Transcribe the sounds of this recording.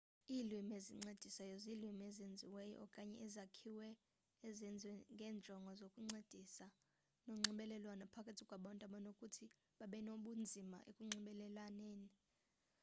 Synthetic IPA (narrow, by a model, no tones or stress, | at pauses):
iːlwimeziŋ͡ǀed̥ʱisajozilwimezend͡zʱiwɛjɔ̰ɔkʼaɲɛ̰ʔizakʰiwɛː | zɛnd͡zʱwɛŋɡʱɛːnd͡ʒʱɔŋɡʱɔzokʼuŋ͡ǀed̥ʱisa | noŋ͡ǀiɓɛlɛlwanapʰakʰʼatʰikʼwaɓɔntʼaɓɔnokʼutʰi | ɓaɓɛnoɓund͡zʱima̰ʔḛkʼuŋ͡ǀiɓɛlɛlanɛːni